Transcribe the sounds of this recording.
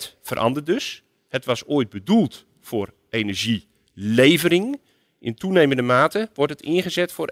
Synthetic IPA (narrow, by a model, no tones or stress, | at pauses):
tfərʔɑ̰ndərdɵs | hətʋɑsoːəjd̚bədulˠt | fʊːr | ʔeːnəɹʒi | lejvərɪŋ | ʔɪntʰuneːməndəmaːtəʋɔɹtətɪ̰nχəzɛtfʊːr